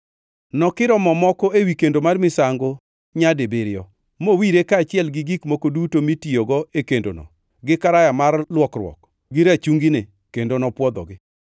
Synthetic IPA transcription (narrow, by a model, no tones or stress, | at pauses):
nɔkɪɾɔmɔmɔkɔewikendomarmɪsaŋɡo | ɲadebeɾɪjɔ | mowiɾekaːt͡ʃɪɛlɡɪɡikmokodutomitioɡɔekendo̰nɔ̰ | ɡɪkaɾajamarlwɔkrwɔ̰k | ɡɪɾat͡ʃuŋɡine | kendonɔpwɔd̪ɔ̰ɡɪ